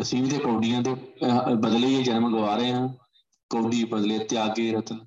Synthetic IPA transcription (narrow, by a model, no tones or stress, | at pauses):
əsĩːʋĩt̪eːkoːɖijãːd̪eːbəd̪leiːɛːd͡ʒənmə̃ɡəʋaːɾəeːɦãː | koːɖiːbəd̪leːt̪ɪaːɡeːɾət̪ən